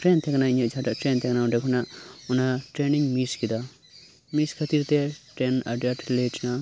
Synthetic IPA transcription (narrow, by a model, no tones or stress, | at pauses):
pɾeːnt̪ʰeknaiɲod͡ʒaʈaʈɾeːnt̪ʰeknauʈekʰunaunaʈɾeːniŋɡmiskid̪a | miskʰɐt̪iɾt̪eʈɾeːna̰ɖaʈʰleʈina